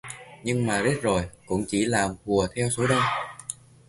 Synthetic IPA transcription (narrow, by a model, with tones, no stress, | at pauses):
ɲɨ˧ŋmaː˨˩ze˦˥t̚zo˨˩jkʊ̰˧˥ŋ͡mt͡ɕi˧˩laː˨˩mhu˨˩ət̪ʰɛ˧wso˨˦ɗə˧n